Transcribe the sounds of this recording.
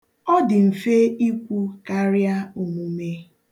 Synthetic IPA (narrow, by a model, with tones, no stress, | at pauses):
ɔ˦dɪ˨m̩˨fe˦i˦kʷu˦ka˦ɾja˦u˨mu˨me˦